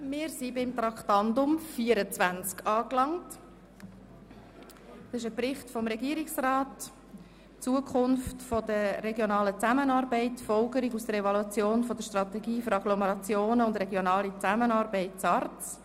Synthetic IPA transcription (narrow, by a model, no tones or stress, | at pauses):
mɪːɾsibɪmtɾɑkχtɑndʊmfiːəɾət͡svænt͡skʰɑːklɑŋt | dɑsɪʃəprɪχtfɔmɾɛɡiəɾɪksraːt | t͡suəkʰχʊnftfɔd̥əɾɛɡjonɑːlət͡sæmənɑːɾbɛɪtfɔlɡəɾiɡusd̥əɾɛvɔluɑt͡sjoːnfɔd̥əɾʃtrɑt̪ɛɡiːføɾɑɡ̥lɔmɛɾɑt͡sjoːnəʊndɾɛɡjonɑːlit͡sæmənɑːɾbɛɪt̚t͡sɑɾtt͡s